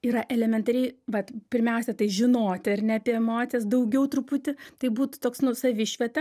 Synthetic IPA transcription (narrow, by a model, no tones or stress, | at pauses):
iːɾɐʔɛlʲɛmʲɛnt̪ɐɾʲɛɪʋɐt̪pʲɪɾʲmʲɛʊsʲɛt̪ɐɪʒʲɪnoːt̪ʲɪɐrnʲɛɐpʲiɛɛmoːt̪t͡sʲijɛsd̪ɐʊɡʲɛʊt̪ɾʊpʊt̪ʲɪt̪ɐɪbuːt̪ʊ̥t̪oːksnʊsɐʋʲɪʃʲʋʲɛt̪ɐ